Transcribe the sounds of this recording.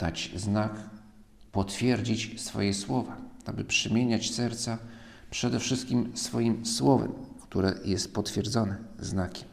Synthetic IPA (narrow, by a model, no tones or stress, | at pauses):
d̪̥at͡ɕznak | pɔt̪fʲjɛɾd͡ʑit͡ɕsfɔ̰jɛswɔvaabɘpʂɛmʲjeɲat͡ɕsɛɾt̪sa | pʂɛd̪ɛfʂɘst̪̚kʲimsfɔjimswɔvɛ̰mkt̪uɾɛ̰jɛst̪̚pɔt̪fʲjɛɾd̪zɔnɛznakʲɛ̥m